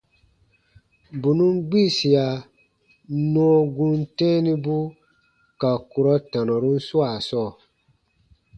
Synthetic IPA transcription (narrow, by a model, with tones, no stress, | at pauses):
bu˨nũ˦ŋɡ͡bi˦˨si˨a˨ | nɔ̃ː˦ɡũ˦ntɛ̃ː˦ni˦bu˦ | ka˨ku˨ɾɔ˦tã˨nɔ̃˨ɾũ˦n̩˦su˦a˨sɔː˦˨